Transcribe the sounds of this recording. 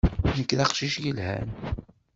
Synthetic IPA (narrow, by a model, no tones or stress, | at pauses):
nəkːðɑqʃiʃjəlhæ̰n